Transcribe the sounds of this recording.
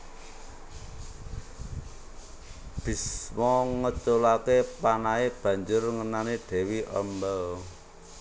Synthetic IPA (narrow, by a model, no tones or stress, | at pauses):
b̥i̤smɔŋət͡ʃolakepanaeb̥ä̤ɲd͡ʒʊrŋənaniɖ̥ɛ̤wiʔə̰mbəl